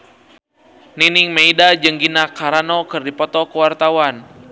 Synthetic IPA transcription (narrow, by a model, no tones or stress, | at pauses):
niniŋmeidad͡ʒɨŋɡinakaɾanɔkɨrdipɔt̪ɔkəwart̪awan